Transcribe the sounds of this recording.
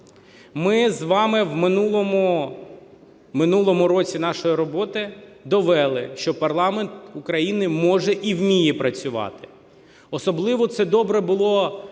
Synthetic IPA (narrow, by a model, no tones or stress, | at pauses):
mɪzʋɑmɪwmɪnulˠɔmʊ | mɪnulˠɔmʊɾɔt͡sʲin̪ɑʃɔjiɾɔbɔt̪ɪd̪ɔʋɛlˠɪ̰ʃt͡ʃɔpɐrlˠɑment̪ʊkɾɐjinɪmɔʒɛʔiwmʲijɛpɾɐt͡sʲʊʋɑ̰t̪ɪ̥ | ɔsɔblˠɪʋɔt̪sɛd̪ɔbɾɛbʊlˠɔ